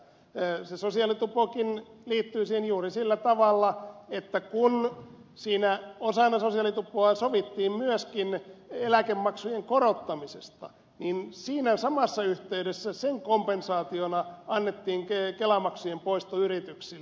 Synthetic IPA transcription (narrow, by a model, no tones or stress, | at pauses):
sesosiɑlit̪upokinliːt̪ːyːsiːhenjuːrisilːæt̪ɑʋɑlːɑet̪ːækun | siːnæosɑnːɑsosiɑlit̪upːˑoɑsoʋit̪ːiːmmyøskinelækemːɑksujeŋkorot̪ːɑmisest̪ɑ̰ | ninsiːnæsɑmɑsːɑyht̪eydesːæseŋkompensɑːt̪ionɑɑnːet̪ːiːŋkekelɑmɑksujempoist̪oyrit̪yksil